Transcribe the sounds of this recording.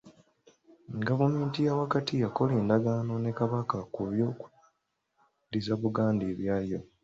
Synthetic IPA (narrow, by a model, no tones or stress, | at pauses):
ɡavume̞ːntijawakatʰijako̞leːndaɡano̞ne̞kaβakakuβjo̞ːku̥ | dizaβuɡaːndeːβjaːjo̞